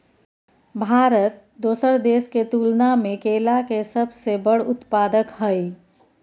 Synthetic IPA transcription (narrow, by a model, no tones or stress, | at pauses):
bʱaɾət̪̚ | d̪oːsəɾd̪eːsket̪ulnamekelakesəbʱsebəɽʊt̪paːd̪əkɦəj